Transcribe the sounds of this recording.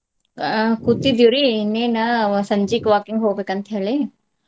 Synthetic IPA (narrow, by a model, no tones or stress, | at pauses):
kut̪id̪juɾinːenasɐɲd͡ʒikʋaːkɪŋɡɦoːbekɐnt̪ʰiale